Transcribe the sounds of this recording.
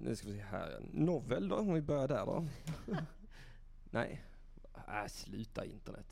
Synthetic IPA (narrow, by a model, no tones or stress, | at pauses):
nʉ̟̰ːskavɪsɛɦæ̰ːɾnɔvɛld̪ɔkɔnvɪbœɾjad̪æɖɔ̰ | nʔɛɪ | æslʉ̟ːt̪aɾɪnt̪əɳɛ̰t̪ː